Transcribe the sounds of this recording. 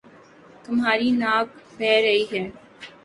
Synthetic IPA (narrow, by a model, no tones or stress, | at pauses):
t̪ʊmɦaːɾinaːb̚bɛːɾɐɦiɦɛː